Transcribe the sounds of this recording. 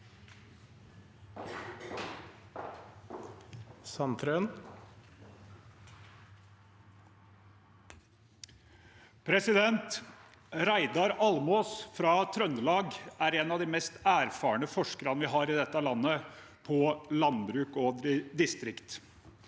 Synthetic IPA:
sɑnt̪ʰɾøːn | pʰɾɛsɪd̪ɛnt̪ | ɾæɪd̪ɑɾɑlmoːsfɾɑt̪ʰɾœnd̪əlɑːɡæːɾeːnɑʋd̪iːmɛst̪æːɾfɑːəɳəfɔʂkəɾɑnʋɪːɦɑːɾɪd̪ɛt̪ːəlɑnːə | pʰɔlɑnbɾʉːkoːd̪ɪst̪ɾɪkt̪

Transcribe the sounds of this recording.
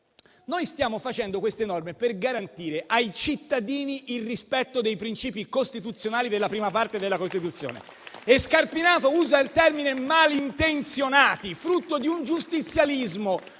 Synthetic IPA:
nojst̪jaːmofat͡ʃɛnd̪okwest̪enɔrmeperɡaɾant̪iːɾeʔajt͡ʃit̪ːad̪iːniʔilrispɛt̪ːod̪ejpɾint͡ʃiːpikost̪it̪ut̪sːjonaːlid̪elːapɾiːmapart̪ed̪elːakost̪it̪ut̪sːjo̰ːnḛ | ɛskarpinaːt̪ouːzaelt̪ɛrminemalint̪ent̪sjonaːt̪ifɾut̪ːod̪iund͡ʒust̪it̪sːjalizmo

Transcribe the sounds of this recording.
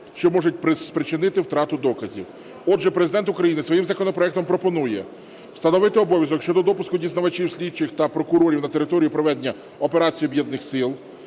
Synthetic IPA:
ʃt͡ʃɔmɔʒʊt̚ʲpɾɪspɾɪt͡ʃɪnɪt̪ɪwt̪ɾɑt̪ʊd̪ɔkɐzʲḭw | ɔdʒɛpɾezɪd̪ɛnt̪ʊkɾɐjinɪsʋɔjimzɐkɔnɔpɾɔɛk̚t̪ɔmpɾɔpɔnujɛ | w̥st̪ɐnɔʋɪt̪ɪɔbɔʋʲjɐzɔkʃt͡ʃɔd̪ɔd̪ɔpʊskʊdʲiznɐʋɐt͡ʃiwsʲlʲid̚t͡ʃɪxt̪ɐpɾɔkʊɾɔɾʲiwnɐt̪e̞ɾɪt̪ɔɾʲijʊpɾɔʋɛd̪enʲːɐ | ɔpe̞ɾɑt͡sʲijibjɛd̪nɪxsɪlˠ

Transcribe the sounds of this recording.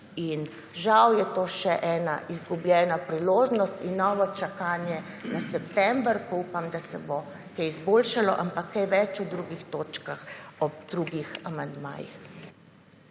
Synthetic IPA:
in | ʒawjɛt̪oːʃɛʔɛːna̰ʔizɡublʲjɛːnapɾiloːʒnɔst̪inːɔʋɔt͡ʃakaːnjɛ | nasɛpt̪ɛmbəɾkɔupamd̪asɛbo | kɛjizboːlʃalɔ̰ʔampakʰːajʋɛt͡ʃud̪ɾuːɡixt̪oːt͡ʃkaxɔbd̪̥ɾuːɡixamand̪ma̰ːjḭx

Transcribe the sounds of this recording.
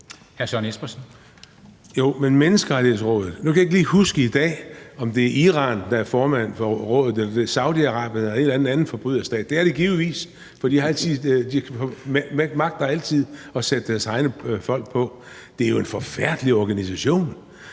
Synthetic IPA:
hæɐɕɒnesb̥ɐsn̩ | jo̝̰menmenəsɡ̥əʁɑ̈ɾʰihe̝ðˠsʁɔ̰̽ːð̞ˠð̩ˠnukʰæje̝ɡ̥liːhusɡ̥əid̥ɛ̰ːɒ̽md̥e̝æɐʔiʁɑ̈ːnd̥ɑ̈æɐfɒːmæn̰fɒ̽ʁɔ̽ːðð̩ˠelɐd̥eɐsɑ̈ʊd̥iɑ̈ʁɑ̈ːb̥jənelɐe̝d̥læn̩ˠænn̩fɒ̽b̥ʁyð̰ˠɐsd̥ɛ̰ːd̥ːe̝æɐɾ̥e̝ɡ̥iːʊʋḭːs | fd̥ḭːjɑhɑ̈ælt͡sʰið̰ˠd̥if | mɑ̈ɡ̥̚d̥ɑæl̰t͡sʰið̰ˠɒ̽sed̥əd̥æɐsɑ̈ɪnəfɒ̽l̰ɡ̥̚pʰɒ̽ | d̥e̝æɐjo̝e̝nfɒ̽fæɐ̰d̥əliɒɡ̥ænisæɕo̝̰ːn

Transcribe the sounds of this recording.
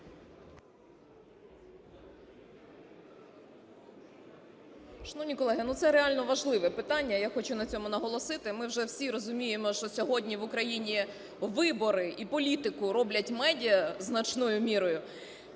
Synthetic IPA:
ʃɐnɔʋnʲikɔlˠɛɦɪnut̪sɛɾealʲnɔʋɐʒlˠɪʋɛpɪt̪ɑnʲːɐjaxɔt͡ʃʊnɐt͡sʲɔmʊnɐɦɔlˠɔsɪt̪ɪmɪwʒɛwsʲiɾɔzʊmʲijemɔʃt͡ʃɔsʲɔɦɔdʲnʲiʋʊkɾɐjinʲi | ʋɪbɔɾɪʔipɔlʲit̪ɪkʊɾɔblʲɐtʲmɛdʲijɐznɐt͡ʃnɔjʊmʲiɾɔjʊ

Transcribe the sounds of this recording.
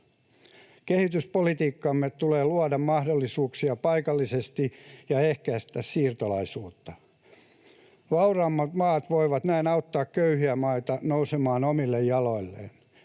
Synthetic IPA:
kehit̪yspolit̪iːkːɑmːet̪uleːluɑdɑmmɑhdolːisuːksiɑpɑikɑlːisest̪ijɑehkæst̪æssiːrt̪olɑisuːt̪ːɑ | ʋɑurɑːmːɑt̪mɑːt̪ʋoiʋɑt̪næinɑuwt̪ːɑːkkøyhiæmɑit̪ɑnousemɑːnomilːejjɑlo̞ilːḛːn

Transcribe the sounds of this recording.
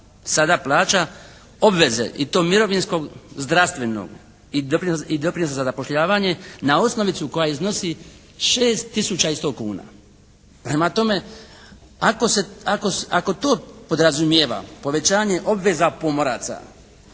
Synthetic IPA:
sad̪aplˠaːt͡ʃa | o̞bʋe̞zḛʔḭt̪o̞ːmiɾo̞ʋinsko̞ɡzd̪ɾast̪ʋe̞no̰ɡ | id̪opɾid̪o̞pɾinosazazapo̞ʃʎaːʋaɲe̞nao̞sno̞ʋit̪suko̞jaizno̞si | ʃe̞ːst̪ːisut͡ɕaist̪o̞ːkuːna̰ | pɾemat̪o̞me̞ | akoseakoako̞t̪o̞ːpo̞d̪ɾazumjeʋa̰po̞ʋe̞t͡ɕaːɲe̞ʔo̞bʋe̞zapo̞moɾa̰ːt̪sa̰

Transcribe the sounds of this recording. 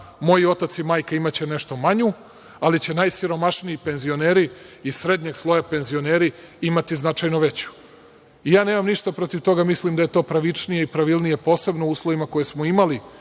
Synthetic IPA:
mo̞jio̞t̪at̪simaːjkaimat͡ɕene̞ʃt̪o̞maɲu | alit͡ɕe̞najsiɾo̞maʃnijipe̞nzio̞neːɾiːsɾe̞d̪ɲeɡslˠo̞jape̞nzio̞neːɾiimat̪iznat͡ʃajnoʋe̞t͡ɕu̥ | ijaːneːmamniʃt̪apɾo̞t̪iʋt̪o̞ɡamislimd̪aje̞t̪o̞ːpɾaʋit͡ʂnijeipɾaʋilˠnijepo̞ːse̞bnouːslˠoʋimako̞jesmoimali

